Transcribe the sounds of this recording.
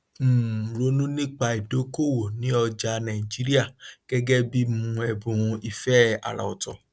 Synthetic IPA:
m̩˦˨ɾo˦nũ˦nĩ˦k͡pa˧i˨do˨˦ko˦˨wo˨nĩ˨˦ɔ˧d͡ʒa˧nã˨i˨d͡ʒi˦ɾi˦a˦˨ɡ̥ɛ˦ɡɛ˦bi˦mũ˨˧ɛ˨bũ˧i˧fɛ˦a̰˨la̰˨ɔ˨tɔ˨

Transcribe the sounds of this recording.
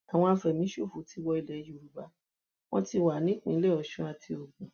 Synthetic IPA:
a˨w̃ɔ̃˧a˧fɛ˨mĩ˨˦ʃu˦˨fu˨˦ti˧wɔ˧i˧˨lɛ˨˦jo˨ɾu˨˦ba˧ | w̃ɔ̃˦ti˧wa˨nĩ˦k͡pĩ˨˦lɛ˦˨ɔ˨ʃũ˧˦a˧tʰi˧o˨ɡũ˨

